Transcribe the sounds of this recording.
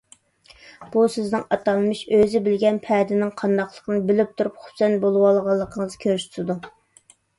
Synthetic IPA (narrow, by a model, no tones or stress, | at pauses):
b̥usɪznɪŋɑt̪ʰɑlˠmɨʃøzɪbɪlɡʲɛnpʰɛːd̪ɪnɪŋqʰɑnd̪ɑχlˠəqənɨbɪlɪp̚t̪ʰuɾupχʊ̥psɛnbolˠwɑlˠʁɑlˠːəqʰəŋəzkʲʰøɾsʰt̪ɪd̪u